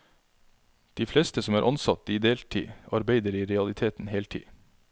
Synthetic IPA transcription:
d̪̥iːfleːst̪əsɔmæːɾʔɑnsɑt̪iːd̪eːlt̪ʰḭːɑɾbeɪd̪əɾiːɾɛɑlɪt̪ʰeːt̪n̩heːlt̪ʰḭː

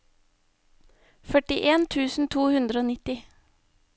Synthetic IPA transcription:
fœʈɪʔeːnt̪ʰʉːsn̩t̪ʰuːhʉnd̪ɾəoːnɪt̪ɪ

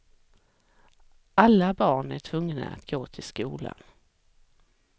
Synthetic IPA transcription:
ʔalːabɑːɳæʈʰvɵŋːna̰a̰t̪ɡoːt̪ʰɪlskuːla̰n

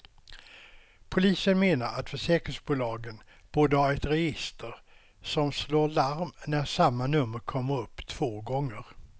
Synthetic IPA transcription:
pʰʊliːsənmeːnaɾʔat̪fœʂɛːkɾɪŋsbuːlɑːɡən | b̥oːd̪əhaɾɛt̪ɾɛjɪst̪əɾ | sɔmsloːɭaɾmnæɾsamːanɵmːəɾkʰɔmːəɾɵpːt̪ʰv̥oːɡɔŋːəɾ

